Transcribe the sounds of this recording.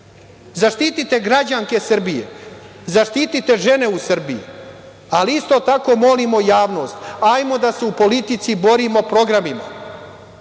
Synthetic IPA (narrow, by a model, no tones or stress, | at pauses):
zaʃt̪it̪it̪e̞ɡɾad͡ʑaŋke̞sr̩bije̞̰ | zaʃt̪iːt̪it̪e̞ʒe̞ne̞usr̩biḭ | aliist̪o̞t̪ako̞mo̞limo̞jaːʋno̞st̪ajmo̞d̪ase̞upo̞lit̪it̪sibo̞ɾimo̞pɾo̞ɡɾamima̰